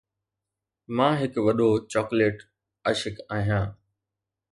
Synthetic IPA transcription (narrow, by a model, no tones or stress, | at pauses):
mãːɦɪkʋɐɗot͡ɕɔːkleːʈ | əʃɪkaːɦijãː